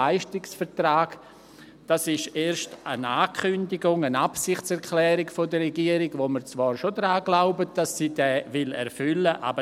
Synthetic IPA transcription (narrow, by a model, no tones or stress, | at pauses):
aɪʃtɪksfɛɾtɾaːɡ | d̥asɪʃeːɾʃtənaːkʰʏndɪɡʊŋənapsɪχtt͡sɛʁkʰlɛːɾɪɡfodərɛɡiːəɾɪɡvoməɾt͡svaːɾʃodɾaːɡlaʊbəd̥asːiːdɛːvɪlɛ̰ɾfʏləʔa̰ːbə